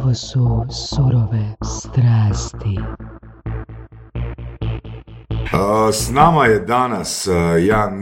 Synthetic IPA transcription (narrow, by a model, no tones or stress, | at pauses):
ʋosusuɾoʋest̪ɾaːst̪i | snaːmajed̪anasjaːn